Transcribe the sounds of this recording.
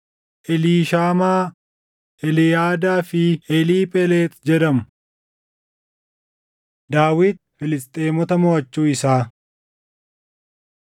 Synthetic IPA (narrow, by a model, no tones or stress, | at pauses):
ʔɛliːʃaːmaː | ɛlɪjaːd̪aːfɪɛliːpʼɛleːt̪d͡ʒɛd̪ɐmʊ | d̪aːwɪːd̪̚fɪlɪst̪ʼeːmɔt̪ɐmɔɐt͡ʃːuːɪsaː